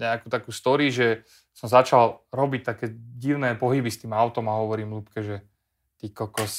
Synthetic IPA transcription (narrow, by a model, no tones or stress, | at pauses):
ɲɛakuːt̪akuːst̪ɔɾiʒɛ | sɔmzat͡ʃalɾɔbict̪akɛːɟiʊnɛːpɔɦibist̪iːmaʊt̪ɔmaɦɔʋɔɾiːmlupkɛʒɛ | t̪iːkɔkɔs